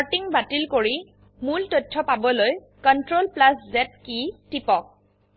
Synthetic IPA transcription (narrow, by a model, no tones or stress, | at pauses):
aɹtiŋbatilkoɹi | multotʰːɔpabɔloj | kɔntɹolplaszɛt̚kitipɔk̚